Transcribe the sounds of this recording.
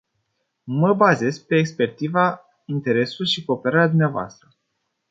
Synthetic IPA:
məbaze̞zpe̞ːkspe̞rt̪iza | int̪e̞ɾe̞sulʃiko̞ːpe̞ɾaɾead̪umneavoa̰st̪ɾə

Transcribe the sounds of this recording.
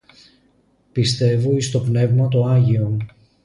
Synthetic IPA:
pist̪e̞voist̪o̞pne̞vmɐt̪oɐʝio̞n

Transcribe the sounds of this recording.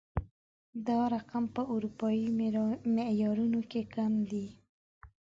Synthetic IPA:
d̪ɑɾaqampəʔuɾupɑimeʔjɑɾunokekamd̪i

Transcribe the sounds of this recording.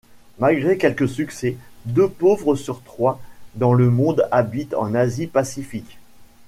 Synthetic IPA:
malɡʁekʲɛlkəsyksɛd̪øpovʁəsyʁt̪χwad̪ɑ̃ləmɔ̃d̪abit̪ɑ̰̃nazipasifik

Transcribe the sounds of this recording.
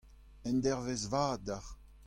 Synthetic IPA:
ɛ̃nd̪ɛʁvezvaːdaʁ

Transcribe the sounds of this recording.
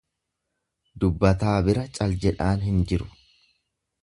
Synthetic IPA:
d̪ʊbːɐt̪aːbɪɾɐt͡ʃʼɐld͡ʒɛᶑaːnɦɪnd͡ʒɪɾʊ̥

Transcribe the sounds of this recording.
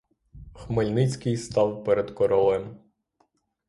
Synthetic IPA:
xmelʲnɪt͡sʲkɪjst̪ɑwpɛɾed̪kɔɾɔlˠɛm

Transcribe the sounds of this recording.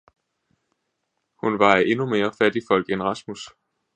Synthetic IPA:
hunʋɑ̈ʔe̝nume̝ːɐfæd̥ifɒ̽l̰ɡ̥enʁɑ̈smus

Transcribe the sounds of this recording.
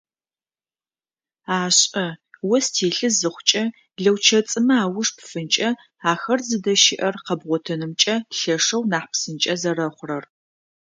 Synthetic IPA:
aːɕʼɐwɔstʰeːɬɨzɨχʷʊt͡ʃʼɐ | ɮɐwt͡ʃʰɐt͡sʼɨmɐaːwʊʂpfɨnt͡ʃʼɐ | aːxɐrzɨdɐʃɪʔɐrqɐbʁʷɔtʰɐnɨmt͡ʃʼɐɬɐʂɐwnaːħpsɨnt͡ʃʼɐzɐrɐχʷʊrɐr

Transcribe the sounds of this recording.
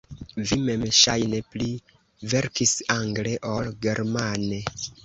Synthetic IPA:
vimemʃa̰jnepli | ve̞ɾkisaŋɡleʔolɡe̞ɾmane

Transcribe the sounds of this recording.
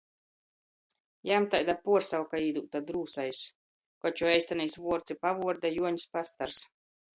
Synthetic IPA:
jamt̪ajd̪apuɔɾsawkaiːd̪uːt̪ad̪ɾuːsajs | kɔt͡ʃuɛjsʲt̪anijsvuɔɾt̪sipavuɔɾd̪ajuɔɲspast̪aɾs

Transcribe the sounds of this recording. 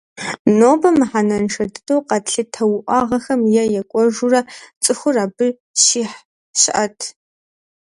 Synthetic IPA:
noːbɐmɨħanɐnʂɐdɨdʼowqɐɬɨtʰɐwʔʷɑːʁɐxɐmjɛjɛkʷʼɔʒurɐt͡sʼɨxʷʊraːbɨ | ɕiːħ | ɕɪ̰ʔɐtʰ

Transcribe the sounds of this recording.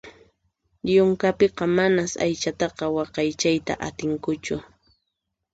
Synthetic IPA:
ʎʊŋkapeqɑmanasa̰jt͡ʃat̪ɑqɑwɑqɑjt͡ʃajt̪a̰ʔat̪ɪŋkʊt͡ʃʊ

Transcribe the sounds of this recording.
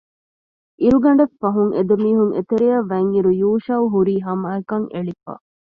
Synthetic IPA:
ʔiɾuɡɐɳɖɐfːɐɦuŋʔed̪ɐmiːɦuŋʔḛt̪eɾijɐʋːɐŋiɾujuːʃɐuɦuɾiːɦɐmaːekɐŋeɭifɐ̰

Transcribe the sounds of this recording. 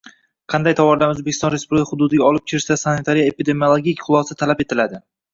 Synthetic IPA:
qʰɑnd̪ajt̪ʰawɒɾlamɵzbekʲʰːɪst̪ɒnɾespublʲɪkʰʲahʊd̪ʊd̪ɪɡʲaɒlɪp̚kʲʰeɾsasanɪt̪ʰaɾijaepid̪e̞miolˠoɡʲikʲχʰʊlˠɒsat̪ʰalapet̪ʰɪlad̪ɪ

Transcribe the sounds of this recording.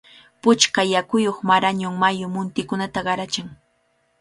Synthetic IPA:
pʊt͡ʃkajakʊjoχmaɾaɲʊŋmajʊmʊnt̪ɪkʊnat̪aɢɑɾat͡ʃɪŋ

